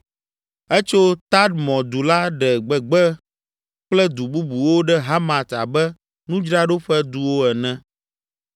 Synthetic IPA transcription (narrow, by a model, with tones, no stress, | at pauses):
ɛ˦t͡ʃo˦t̪a˦d̪mɔ̃˨d̪u˨la˦ɖɛ˨ɡ͡bɛ˨ɡ͡bɛ˦ | k͡plɛ˦d̪u˨bu˦bu˨wo˦ɖɛ˦ɦa˦mã˨t̪a̰˨bɛ˦ | nũ˦d͡ʒɾa˦ɖo˦ɸɛ˦d̪u˦wo˦ɛ˨nɛ̃˦